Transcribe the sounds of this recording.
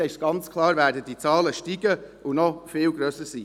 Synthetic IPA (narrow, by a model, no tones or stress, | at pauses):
ɛɪʃtɡ̥ɑnt͡skʰlɑːɾvæːɾdədit͡sɑːləʃtiːɡəʔunɔfɪːlɡɾœsəsḭː